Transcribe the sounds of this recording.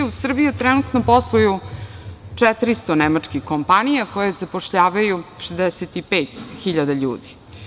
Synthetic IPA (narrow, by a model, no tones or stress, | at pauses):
usr̩bijut̪ɾɛnut̪noposlˠoju | t͡ʂɛt̪ɾist̪onemat͡ʂkixkompanijako̞jezapoʂʎaːʋajuʃezd̪ɛset̪ipeːt̪xiʎad̪aʎṵːd̪i